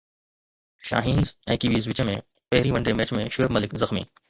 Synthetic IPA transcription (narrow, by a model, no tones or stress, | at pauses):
ʃa̰ːɦiːnzɛ̰̃ːkiʋiːzʋɪt͡ʃəmḛ̃ | pɛɦɾiʋɐ̃ɳɖemeːt͡ʃmẽʃʊebmɐlɪkzɐxmḭː